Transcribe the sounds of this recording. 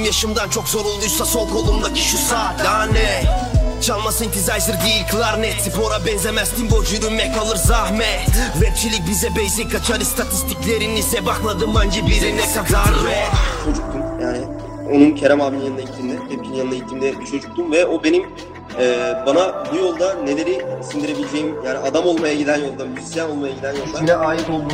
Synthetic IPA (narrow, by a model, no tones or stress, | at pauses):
mjaʃɯmd̪ant͡ʃʰo̞kzo̞ɾolˠːujsasolˠkʰolˠumd̪acʰi̥ʃusaːt̪lʲanɛ | t͡ʃʰalˠmasɯint̪ʰizajzɯɾɡejilʲkʰlˠaɾnɛt̪sipʰo̞ɾabɛnzemɛst̪ʰimbod͡ʒyɾymɛkʰalˠɯɾzaɦmɛvɛp̚t͡ʃʰilʲic̚bizɛbɛjzikʰat͡ʃʰaɾɯst̪ʰat̪ʰist̪ʰiclʲeɾinisɛbaklˠad̪ɯmband͡ʒɛbiɾinɛkad̪aɾvɛt͡ʃʰo̞d͡ʒuk̚t̪ʰumjaːnɪ | o̞nuncʰeɾɛmavninjanajit̪ʰimd̪ɛhɛp̚cʰinjanɯnaɟit̪ʰːimd̪ɛbit͡ʃʰo̞d͡ʒuk̚t̪ʰumvɛo̞be̞nim | ɛːbanabujo̞lˠd̪ane̞lʲeɾisind̪iɾe̞bilʲed͡ʒejimjaːniad̪amo̞lˠmajaɟid̪ænjo̞lˠd̪amyzisjano̞lˠmajaɟid̪ænjo̞lˠd̪aɛaːjipolˠd̪u